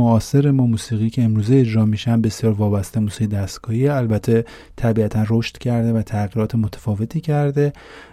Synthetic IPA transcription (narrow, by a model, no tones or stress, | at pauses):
oɒːse̞ɾe̞mɒːmuːsiːɣiːcʰe̞emɾuːzeed͡ʒɾɒːmiʃænbe̞sijɒːɾvɒːbæst̪emuːsiːɣid̪æst̪ɡɒːhieælbæt̪ʰe̞ | t̪ʰæbiæt̪ʰænro̞ʃt̪cʰæɾd̪e̞væt̪ʰæɣiɾɒːt̪ʰemo̞t̪ʰæ̥fɒːve̞t̪ʰiːcʰæɾd̪e̞